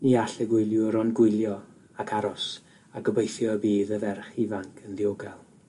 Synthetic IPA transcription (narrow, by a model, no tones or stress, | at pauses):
niːaɬəɡwʊjlˠjʊɾɔnɡwɪjlˠjɔ | akʰaɾɔs | aɡəbejθjɔəbiːðəvɛrχivaŋkʰənðioɡalˠ